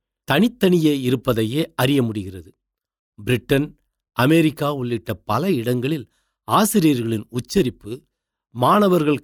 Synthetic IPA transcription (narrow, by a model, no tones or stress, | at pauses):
t̪ɐɳɪt̪ːɐɳɪjeːɪɾɯpːɐðɐjeːʔɐrɪjɐmʊɽɪɣɪrɐðɯ | bɪɾɪʈːɐn | ʔɐmɛɾɪkːaːʊɭːɪʈːɐpɐlɐɪɽɐŋɡɐɭɪl | aːsɪɾɪjɐɾɣɐɭɪnʊt͡ʃːɐɾɪpːɯ | maːɳɐʋɐɾɣɐɭ